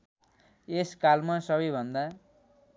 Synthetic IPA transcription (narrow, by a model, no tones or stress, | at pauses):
eskalmasʌβʌjbʱʌnd̪a